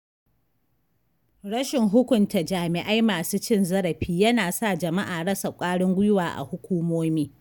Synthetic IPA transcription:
ɽɐ˦ʃɪ˨ŋɦʊ˦kʷʊ˨nta˨d͡ʒaː˨mɪ˨ʔa˦jmaː˨suː˦t͡ʃɪ˦˨nzɐ˦ɽɐ˨ɸiː˦jɐ˦naː˨sa˦˨d͡ʒɐ˨ma˦ʔaː˨ɽɐ˦sa˨kʷʼaː˦ɽʊ˦ŋɡʷʊ˦jʊ˦waː˨ʔa̰˨hʊ˦kʷuː˦moː˦miː˦

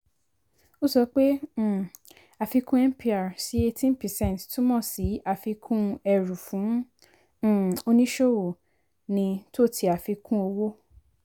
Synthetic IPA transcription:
o˦sɔ˧˦k͡pẽ˦˨ | a˨fi˧kũ˦ɛ˦m˦pi˦a˨si˨˦e˧tʰĩ˦npɛ˨sɛ̃˦˨ttũ˦mɔ̃˦˨si˨˦a˨fi˧kʰũ˦ɛ˧ɾũ˨fũ˨˦˨ | o˧nĩ˦ʃo˦˨wo˨ | nĩ˧to˦˨tʰi˧˦a˨fi˧kʰũ˦o˧wo˦

